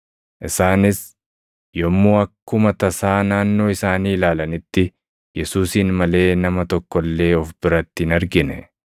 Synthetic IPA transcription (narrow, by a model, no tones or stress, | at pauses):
ʔɪsaːnɪs | jɔmːuːɐkːʊmɐt̪ɐsaːnaːnːo̞ːɪsaːniːlaːlɐnɪt̪ːɪ | jɛsuːsiːnmɐle̞ːnɐmɐt̪ɔkːɔlːe̞ːɔfbɪɾɐt̪ːɪːnɐɾɡɪnɛ̰